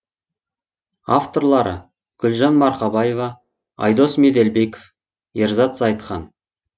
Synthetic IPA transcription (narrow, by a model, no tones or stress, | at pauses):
aft̪o̞ɾlˠɑɾə̰ | ɡ̥ʏlʒɑnmɑɾqɑbɑje̞vɑ | ɑ̰jd̪o̞smed̪elbe̞ko̥f | eɾzɑt̪zɑjt̪qɑ̰n